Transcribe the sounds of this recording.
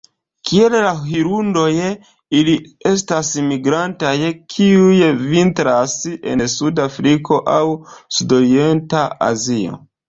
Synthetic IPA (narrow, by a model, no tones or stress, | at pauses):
kʰie̞llaɦiɾundo̞j | ili | e̞stasimiɡɾantajkʰiujvintɾasḛsudafɾikʰo̞ʔawsudo̞ɾie̞ntaa̰zio̰